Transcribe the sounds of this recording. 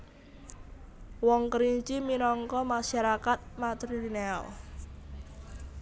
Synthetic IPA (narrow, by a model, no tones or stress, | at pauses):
wɔŋkəɾiɲt͡ʃiminɔŋkɔmaʃaɾakat̪̚mat̪ɾiinɛɔ̰l